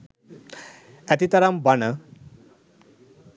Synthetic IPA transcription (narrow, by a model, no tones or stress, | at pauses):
ɛt̪it̪aɾambanə